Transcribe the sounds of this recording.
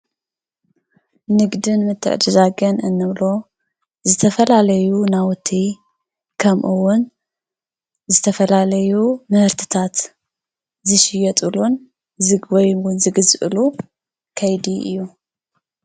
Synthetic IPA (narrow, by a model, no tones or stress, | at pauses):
nɨɡd̪ɨnmɨt̪ʰːɨ̰ʕ̰d̪ɨzaɡɐnɨnːɨβlo̞ | zɨt̪ʰɐfɐlalɐjunawɔt̪ʰːi | kʰɐmʔɨwʊn | zɨt̪ʰɐfɐlalɐjumɨhɨɾt̪ʰɨ̥t̪ʰat̪ | zɨʃɪjɐt̪ʼɨlun | zwɔjwʊnzɨɡɨzʔɨ̰lu | kʰɐjd̪iʔɨ̰jːu